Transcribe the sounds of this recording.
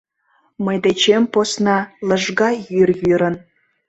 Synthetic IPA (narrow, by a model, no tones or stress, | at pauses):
məjd̪et͡ɕemposnɑləʒɣɑjyrjyɾən